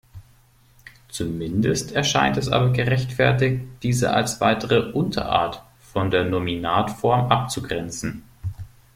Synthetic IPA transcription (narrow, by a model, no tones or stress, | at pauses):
t͡sumɪndəstʰɛɐʃa̰ɪntɛsʔa̰ːbɐɡəʁɛçtfɛɐtɪçtd̥iːzə̰ʔa̰lsv̥a̰ɪtəʁəʔʊntʰɐ̰ʔa̰ːɐt | fɔndeːɐnominaːtfɔɐmʔap̚t͡suɡʁɛnt͡sn̩